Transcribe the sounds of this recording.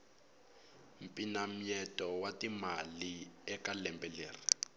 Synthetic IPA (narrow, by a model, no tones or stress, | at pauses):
m̩pʼinam̩jɛtʼɔwatimaliɛkalɛmbʼɛlḛːri